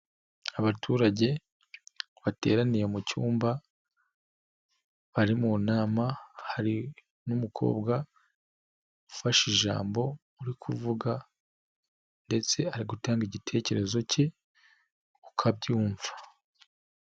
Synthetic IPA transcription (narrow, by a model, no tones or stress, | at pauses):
aβatʰuːɾaɟe̞ | βate̞̰ːɾanije̞mucuːmba | βaɾimunaːmahaɾi | numukʰo̞̰ːbɡa | ɡufaʃiʒa̰ːmbo̞ | uɾikʰuvuɡa | nde̞t͡se̞aɾiɡutaːŋɡiɟitʰe̞ːce̞ɾe̞zo̞ce̞ | ukʰabɟuːɱvḁ